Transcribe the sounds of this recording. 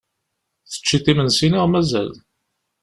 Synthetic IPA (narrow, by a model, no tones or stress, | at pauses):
θə̥t͡ʃːiθimənsiniʁmæzæ̰l